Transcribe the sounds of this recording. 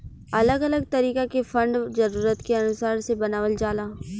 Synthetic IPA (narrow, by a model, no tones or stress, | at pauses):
ɐləɡɐləɡ̚t̪ɐɾiːkakefɐ̃ɳɖzɐɾuːɾət̪keɐnʊsaːɾsebɐnaːʋəld͡ʒaːlaː